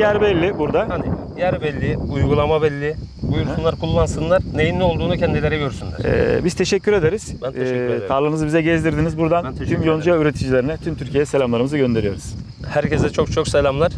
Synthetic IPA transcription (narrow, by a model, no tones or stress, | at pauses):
jæɾbɛlʲːibuɾd̪ahani | jæɾbɛlʲːɪujɡulˠamabɛlʲːɪbujuɾsunlˠaɾkʰulˠːansɯnlˠaɾne̞jinːʲo̞lˠd̪uːnucʰɛnd̪ilʲe̞ɾɛɟø̞ɾysynlʲæ̰ɾɛ̰bizt̪ʰe̞ʃɛcʰːyɾe̞d̪eɾiz̥ | t̪ʰaːlˠɯnɯzɯbizɛɟɛzd̪iɾd̪inizbuɾd̪ant̪ʰymjo̞nd͡ʒujayɾet̪ʰid͡ʒilʲeɾinɛt̪ʰymt̪ʰyɾcʰijeɛselʲamlˠaɾɯmɯzɯɟø̞nd̪e̞ɾijo̞ɾuz̥ | hæɾcʰɛzd̪ɛt͡ʃʰo̞kt͡ʃʰo̞kselʲamlˠaɾ̥